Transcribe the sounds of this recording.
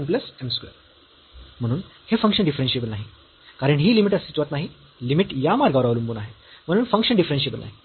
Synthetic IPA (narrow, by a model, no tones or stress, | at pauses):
mp̬ləsemskʋḛ | m̤əɽ̃uːnhefəŋkʂəɳɖifɾenɕiebəlnaɦi | kaɾəɳɦiːlimiʈəsit͡ɕʋat̪naɦi | limiʈjamaɾɡaʋɾaʋlumbuːnaɦe | m̤əɽuːnfəŋkʂənɳɖifɾẽnɕiebəlna̰ɦi